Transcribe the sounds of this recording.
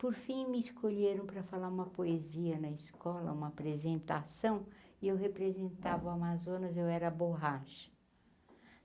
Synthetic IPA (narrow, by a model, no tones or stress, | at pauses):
poɾfĩj̃mɪːskʰoʎeɾɐ̃w̃pɾɐfalaɾũmɐpoeziɐnɐiskʰɔlɐ̰ũmɐapɾezẽnt̪asɐ̃w̃ɪewhepɾezẽnt̪avʊamazõnɐzewɛɾɐboɦaʃɐ̥